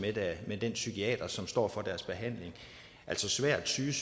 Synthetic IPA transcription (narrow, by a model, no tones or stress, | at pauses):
med̥æmed̥ensykʰiɛ̰ːd̥ɐsɒ̽msd̥ɒ̰ːfɒ̽d̥æɐsb̥e̝ɦæn̰le̝ŋ | æl̰sɒ̽sʋæɐ̰̥t͡sʰyːs